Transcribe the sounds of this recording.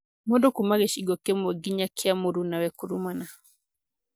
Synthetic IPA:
mɔdɔkumaɣɛʃiɡɔkɛmɔɡiɲakʰiamuɾunawɛkuɾumana

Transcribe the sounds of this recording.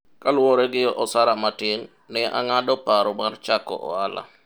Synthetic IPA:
kalwɔɾɛɡɪɔʔɔsaɾamatɪŋ | nɛa̰ŋadɔpaɾɔmart͡ʃakɔ̰ʔɔ̰ala̰

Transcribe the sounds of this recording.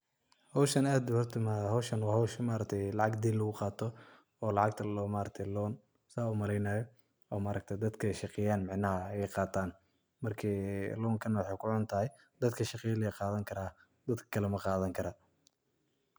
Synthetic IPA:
hɔwʃɐnaːd̪ʊhɔrt̪ʰɐmahɔwʃɐnwɑːhɔwʃmaːɾɐk̚t̪ʰɛjlɑʕɑɡd̪iːnlɐɣʊqɑːt̪ʰɔ | ɔːlɑʕɑɡ̚t̪ʰɐlːmaːɾɐk̚t̪ʰɛjlɔːn | saːʊmɐlɛjnaːjɔ | ɔːmaːɾɐk̚t̪ʰɛjd̪ɐd̪kʰɐɛjʃɑqɪjaːnmɪʕnɐhɐjɛqɑːt̪ʰaːn | mɐrkʰiːlɔːŋkʰɐnːɐwɑħɑjkʰʊʕʊnt̪ʰɐɦɛj | d̪̥ɐd̪kʰɐʃɑqɪjɐlɛqɑːðɐŋkʰɐɾaː | d̪̥ɐd̪kʰɐ̥kʰɐlɛmɐqɑːðɐŋkʰɐɾa

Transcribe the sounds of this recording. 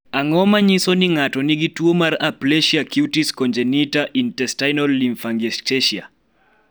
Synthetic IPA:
aŋɔmaɲisɔniŋatɔniɡituomaɾapleʃiakiutiskɔnd͡ʒɛnitaʔintɛstajnɔlːiɱfaŋɡesteʃia̰

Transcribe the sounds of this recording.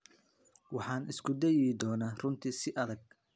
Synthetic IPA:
wɑħɑːnɪskʰʊd̪ɛjɛd̪ɔːnaːrʊnt̪ʰisɪʔɐðɐɡ̚

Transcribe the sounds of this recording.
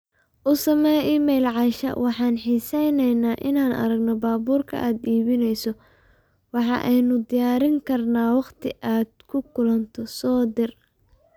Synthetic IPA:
ʔʊsɐmɛjʔiːmɛjlʕɑʃɐ̰wʔɑħɑːnħiːsɛjnɛjnaːʔɪnaːnʔɐ̰ɾɐɡnɔbaːbuːrkʰɐ̰ʔaːd̪iːβɪnɛjsɔ | wɑħɑ̰ʔɛjnʊd̪ɪjaːɾɪŋkʰɐrnaːwɑqt̪ʰɪʔaːd̪kʰʊkʰʊlɐnt̪ʰɔsɔːd̪ɪr

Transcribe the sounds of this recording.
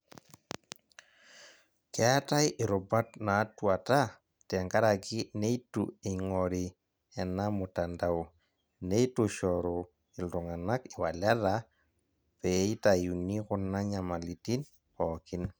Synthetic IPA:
kɛatajʔɪɾʊbatnatwata | tɛŋɡaɾakɪnejtṵeŋɔɾi | ɛnamʊtanda | nejtoʃɔɾo | ɪltʊŋanakɪwalaða | pɛitajunikʊnːaɲamalitin | pɔkɪn

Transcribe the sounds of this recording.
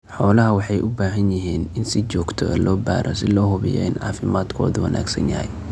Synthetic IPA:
ħɔːlɐɦɐwɑħɑjʔʊbaːɦɐnjɪɦiːnɪnsɪt͡ʃɔːɡt̪ʰɔʔɛ̰lɔːba̰ːɾʔɐsɪlɔːɦʊβɪjɔ̰ɪnʕɑ̰ːfɪmaːd̪kʰɔːðʊwɐna̰ːɡsɐnjɐhɛ̰j

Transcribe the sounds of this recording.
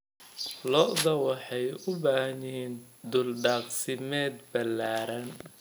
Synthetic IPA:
lɔʔðɐwɑħɑjʊbaːhnɛːn | d̪ʊlɖɑːqsɪmɛːd̪bɐlːaːɾɐn

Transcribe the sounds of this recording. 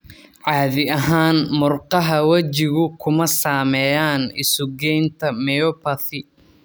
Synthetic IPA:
ʕɑːðɪɐɦaːnmʊrqɑɦɐwɐt͡ʃɪɣʊkʰʊmɐsaːmɛjaːnɪ̰sʊɡɛjnt̪ʰɐmɛjɔpɐθɪ

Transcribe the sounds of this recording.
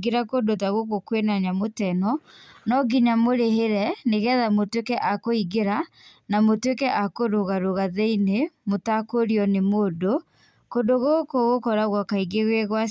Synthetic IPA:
ɡeɾakodotaɣoɣokwenaɲamotɛnɔnɔɡiɲamoɾeheɾɛneɣɛðamotwekɛʔakoiɡeɾa | namotwekɛʔakoɾoɣaɾoɣaðeinemotakoɾiɔnemodo | kondoɣokoɣokɔɾaɣwɔkaiɡeɣweɣwa

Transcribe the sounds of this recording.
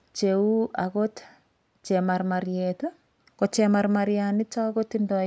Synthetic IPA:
t͡ʃeuʔa̰kot | t͡ʃemarmaɾjeto | kot͡ʃemaɾmaɾjanɪt͡ʃakotindɔ

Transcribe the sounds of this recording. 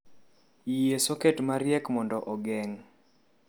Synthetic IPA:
ijesoketmaɾjɛkmɔndɔʔɔɡɛŋ

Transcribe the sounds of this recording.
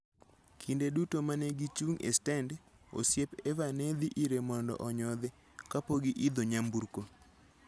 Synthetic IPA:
kʰindedutomaneɡit͡ʃuŋḛstɛnd | o̰sjepevaned̪iʔiɾemɔndɔ̰ʔɔɲɔd̪ɪ | kapoɡɪʔid̪oɲambuɾko

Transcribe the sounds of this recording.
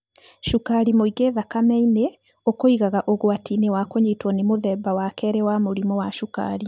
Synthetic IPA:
ʃukaɾimoiɣeðakamɛine | okoiɣaɣaʔoɣoatinewakoɲetwɔnemoðɛːbawakɛːɾɛwamoɾimɔwaʃuka̰ɾi

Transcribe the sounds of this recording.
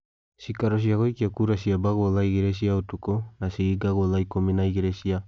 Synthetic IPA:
sikaɾos̬iaɡojkiakuɾas̬iabaɡolajɡeɾes̬iaut̪ukonasiɡiɡaɡolajkominajɡeɾesia

